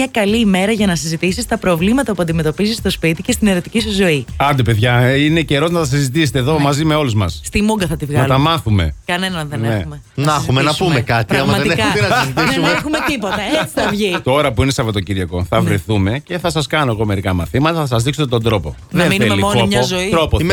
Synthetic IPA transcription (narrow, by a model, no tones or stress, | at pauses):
ɐkɐliːme̞ɾɐʝɐnɐsizit̪isist̪ɐpɾo̞vlimɐt̪ɐpuɐnd̪ime̞t̪opizist̪o̞spit̪icest̪ine̞ɾo̞t̪i̥cisuzo̞iɐnd̪ipe̞ðʝɐine̞ce̞ɾo̞znɐt̪ɐs̬izit̪ise̥t̪eðo̞mɐzime̞o̞luzmɐsst̪imuŋɡɐθɐt̪ivɣnɐɐlt̪ɐmɐθume̞̰kɐne̞nɐnðeneexume | nnɐxumenɐpumekɐt̪iɐɐɣɐmɐðt̪ɐɐzit̪isumexumet̪ipot̪ɐet͡siɐvʝit̪o̞ɾɐpuinesɐvet̪o̞ciɾʝɐko̞θɐvɾeθume̞ce̞θɐsɐskɐnoeɣo̞me̞ɾikɐmɐθimɐt̪ɐθɐsɐzðiksot̪et̪o̞nd̪ɾo̞po̞ | nðɐeminuemelonmɲɐzo̞it̪ɾopo